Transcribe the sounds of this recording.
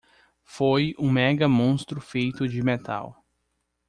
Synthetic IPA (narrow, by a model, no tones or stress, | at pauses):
fojũmɛɡɐmõst̪ɾʊfejt̪ʊd͡ʒɪmet̪a̰w